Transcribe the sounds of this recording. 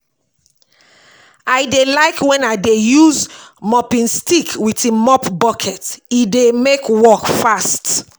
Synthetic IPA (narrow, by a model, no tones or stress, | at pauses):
aɪdelaɪkwɛ̃naɪdejuzmɔpĩnstikʰwitimɔpbɔkʰɛtidemekwɔkfast